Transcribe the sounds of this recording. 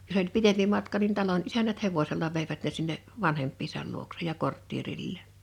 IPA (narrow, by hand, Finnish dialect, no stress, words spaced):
jos olʲ pitempi mɑtkɑ nin tɑlon ʔisænæt heʋoselːɑ ʋeiʋæt ne sinːeʔ ʋɑnhempːiːsɑl luoksej jɑ kortːierilːeːn